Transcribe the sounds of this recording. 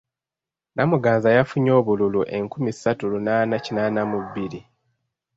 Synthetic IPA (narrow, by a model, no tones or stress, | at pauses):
nʔamuɡaːnzajafuɲo̞ːβululuʔe̞ŋkumisatulunaːnacinaːnamuβiɾi